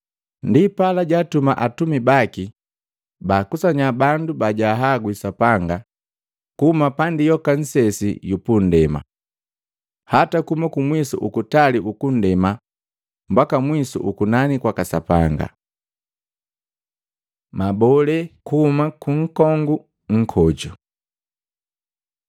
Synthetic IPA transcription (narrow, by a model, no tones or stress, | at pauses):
ndipalaɟatumaʔatumibaki | baːkusaɲabandubaɟaɦaɡwisapaŋɡa | kuhumapandijɔkan̩sɛsḭjupun̩dɛma̰ | hatakuumakumwisṵʔukutaliʔukun̩dɛma | m̩bakamwisṵʔukunanikwakasapaŋɡa̰ | mabɔlɛkuhumakuŋ̩kɔŋɡu | ŋ̩kʰɔd͡ʒɔ